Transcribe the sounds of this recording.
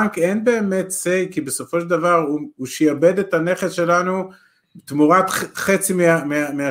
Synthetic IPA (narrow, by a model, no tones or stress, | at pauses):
ŋkenbe̞ːme̞tsejkibeso̞fo̞ʃeld̪avaʁuuʃejabe̞detane̞χesʃe̞lanu | t̪muʁat̪χet͡simeameamea